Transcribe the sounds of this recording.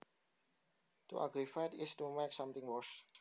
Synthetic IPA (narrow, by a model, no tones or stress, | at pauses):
tṵʔa̰ɡɾifatɪstumeksãmt̪ɪ̃ŋwɔs